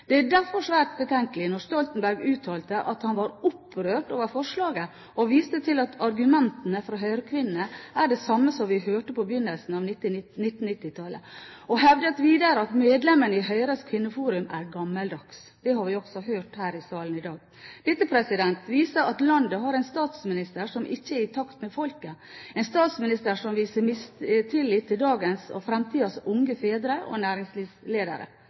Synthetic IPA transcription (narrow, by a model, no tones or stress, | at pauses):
d̪̥ɛædæɾfɔʂʋæːɾʈ̪̚bət̪ʰɛŋkəlɪnɔst̪ɔlt̪n̩bæɾɡʉːt̪ʰɑːlt̪əʔɑt̪hɑnʋɑɾʊpːɾøːʈoːʋəɾfɔʂɭɑːɡə | ɔʋiːst̪ət̪ʰɪlɑt̪ʰɑɾɡʉmɛnt̪ənəfɾɔɦœʏɾəkʰʋɪnnəæɖɛsɑmːəsɔmʋɪhøːʈəpʰɔbəjʏnːəlsn̩ɑʋ̪ɪnɪt̪ːn̩ɪt̪ːɪt̪ʰɑlə̰ɔɦɛʋd̪ət̪ʋiːd̪əɾəɑt̪meːd̪lɛmːənəɪɦœʏɾəskʰʋɪnːəfuːɾʉmæɾɡɑmːəld̪ɑks | d̪̥ɛhɑɾʋɪɔksɔɦøːʈhæːɾɪsɑːlənɪd̪ɑːɡ̚ | ʋɪsəpʰɾɛsɪd̪ɛnt̪ʋiːsəɾɑt̪lɑnd̪əɦɑɾɛɪnst̪ɑːt̪smɪnɪst̪əɾʂɔmʔɪçːəæɾɪt̪ʰɑkt̪mɛfɔlkə | ɛɪnst̪ɑːt̪smɪnɪst̪əɾʂɔmʋiːsəɾmɪst̪ʰɪlːɪt̪ʰːɪld̪ɑːɡənsɔ̰fɾɛmt̪ʰiːd̪ɑsʊŋɡəfeːd̪ɾəʔɔ̰næːɾɪŋsliːsleːd̪ə̰ɾə̰